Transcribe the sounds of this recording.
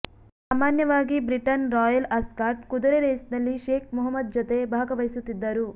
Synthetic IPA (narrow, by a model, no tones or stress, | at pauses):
saːmaːnjɐʋaːɡibɾiʈɐnɾɔːjɐlɐskaːɾʈkud̪ɐɾeɾeːsnɐlːiʃeːkʰmɔɦɐmːɐd̪̚d͡ʒot̪e̞bʱaːɡɐʋɐjsut̪ːid̪ːɐɾu